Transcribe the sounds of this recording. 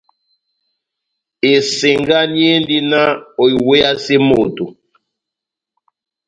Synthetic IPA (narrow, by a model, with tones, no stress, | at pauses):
e˨se˨ŋɡa˦ni˦e˦ndi˦na˦o˨i˨we˦ja˦se˦mo˨tu˨